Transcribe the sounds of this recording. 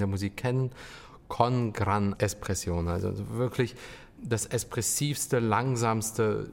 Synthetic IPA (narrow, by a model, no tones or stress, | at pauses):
deːɐmuziːkʰɛn | kʰɔnɡʁanʔɛspʁ̥ɛsjoːna̰lzo̰vɪɐklɪç | d̥asɛspʁ̥ɛsiːfstəlaŋzaːmstə